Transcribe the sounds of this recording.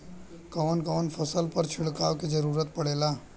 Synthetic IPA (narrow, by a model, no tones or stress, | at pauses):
kɔːnkɔːnpʰɐsəlpɐɾt͡ʃʰɪɽkaːʋkid͡ʒɐɾuːɾət̪̚pɐɽeːlaː